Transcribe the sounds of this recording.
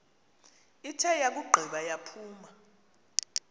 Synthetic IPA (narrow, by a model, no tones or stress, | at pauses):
itʰɛjak̬uɡ͡ǃʱiɓajapʰuːma